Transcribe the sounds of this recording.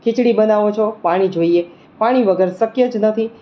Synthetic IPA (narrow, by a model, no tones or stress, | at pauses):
kʰɪt͡ʃɽibənaʋot͡ʃʰopaɽ̃id͡ʒoie | paɽ̃iʋəɡəɾsəkjəd͡ʒnət̪ʰi